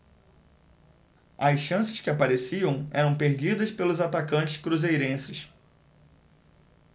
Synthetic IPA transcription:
ɐjsʃɐ̃sɪ̥skɪapaɾesiɐ̃w̃ɛɾɐ̃w̃peɾd͡ʒid̪ɐspelʊzat̪akɐ̃t͡ʃɪ̥skɾuzejɾẽsɪs

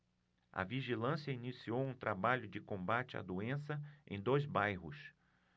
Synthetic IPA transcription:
ɐ̰viʒilɐ̃siɐinisiowũt̪ɾabaʎʊd͡ʒɪkõbat͡ʃɪa̰d̪oẽsɐʔḛ̃j̃d̪ojzbajɦʊs

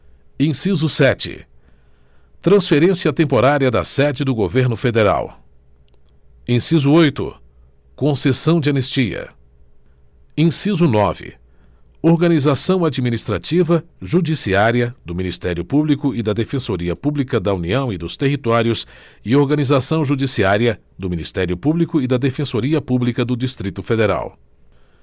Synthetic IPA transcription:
ẽsizʊsɛt͡ʃɪ̰ | t̪ɾɐ̃sfeɾẽsiɐt̪ẽmpoɾaɾiɐd̪ɐ̰sɛd͡ʒɪd̪ʊɡoveɾnʊfed̪eɾa̰w | ẽsizʊojt̪ʊ̰ | kõsesɐ̃w̃d͡ʒɪɐnest͡ʃiɐ̰ | ẽsizʊnɔvɪ̰ | oɾɡɐnizasɐ̃w̃ad͡ʒiminist̪ɾat͡ʃivɐʒud͡ʒisiaɾiɐd̪ʊminist̪ɛɾjʊpublikʊɪd̪ɐd̪efẽsoɾiɐpublikɐd̪ɐuniɐ̃w̃ɪd̪ʊst̪eɦit̪ɔɾjʊs | ɪoɾɡɐnizasɐ̃w̃ʒud͡ʒisiaɾiɐ | d̪ʊminist̪ɛɾiʊpublikʊɪd̪ɐd̪efẽsoɾiɐpublikɐd̪ʊd͡ʒist̪ɾit̪ʊfed̪eɾa̰w

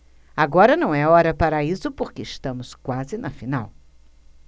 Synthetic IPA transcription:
aɡɔɾɐnɐ̃w̃ɛɔɾɐpaɾɐisʊpoɾkeːʃt̪ɐ̃mʊskwazɪnɐfinaw

